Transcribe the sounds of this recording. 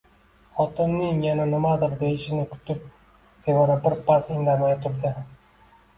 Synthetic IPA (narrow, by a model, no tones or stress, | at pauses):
χɒt̪ɪmnɪŋjananɪmad̪ɪɾd̪ejɪʃɪnɪkʰʊ̥t̪ʰɪp̚ | sevaɾabɪɾpʰasɪŋd̪amajt̪ʰʊɾd̪ɪ